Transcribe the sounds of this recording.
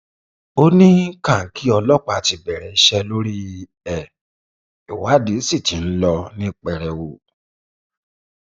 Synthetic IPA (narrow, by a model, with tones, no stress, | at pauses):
o˦nĩ˦kã˦˨ŋ̩˨ki˨˦ɔ˧lɔ˦˨k͡pa˧˨ti˧bɛ˨ɾɛ˨i˦ʃɛ˧lo˦ɾi˦˧ | ɛ˨ | i˨wa˨˦di˨˦si˦˨ti˨˦n̩˦lɔ˧nĩ˦k͡pɛ˨ɾɛ˨wu˨